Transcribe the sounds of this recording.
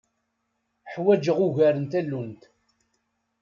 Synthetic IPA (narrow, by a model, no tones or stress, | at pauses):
ħwæd͡ʒəʁuʝæɾənt̪ælːunt̪